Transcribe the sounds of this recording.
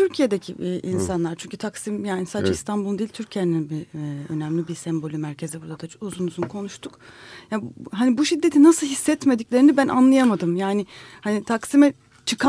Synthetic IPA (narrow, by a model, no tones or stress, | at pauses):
t̪ʰyɾcʰije̞d̪ecʰḭʔinsanlˠaɾt͡ʃʰyɲcʰyt̪ʰaksimjaːnisaːd̪d͡ʒaist̪ʰanbulˠd̪ejilʲt̪ʰyɾcʰeninbiø̞̰næmlʲibiɾsɛmbo̞lʲimæɾcʰe̞zibuɾd̪ad̪auzunuzunkʰo̞nuʃt̪ʰukjaɦanibuʃid̪ːe̞t̪ʰinasɯlˠhisːɛt̪me̞d̪iclʲe̞ɾinibænʔa̰nlˠajamad̪ɯmjaːnɪhanit̪ʰaksimɛ | t͡ʃʰɯkʰa